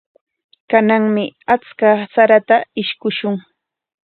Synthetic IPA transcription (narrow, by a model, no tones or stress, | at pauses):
kanaŋmɪat͡skasaɾat̪aɪʃkʊʃʊŋ